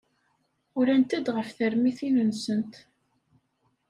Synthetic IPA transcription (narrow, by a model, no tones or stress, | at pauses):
ʊɾænt̪æd̪ʁəfθəɾmiθinənsənt̪